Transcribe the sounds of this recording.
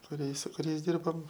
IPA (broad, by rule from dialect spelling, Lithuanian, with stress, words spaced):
kʊˈrʲiɛ sʊ kʊˈrʲɛɪs ˈdʲɪrboːm